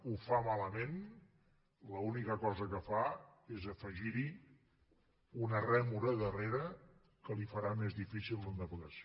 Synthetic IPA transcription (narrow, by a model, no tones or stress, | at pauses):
ufamaləmen | ləunikəkɔzəkəfaezəfəʒiɾi | unərɛmuɾəðəreɾə | kəlifəɾamezðifisilˠd̪ənd̪əpəɣəs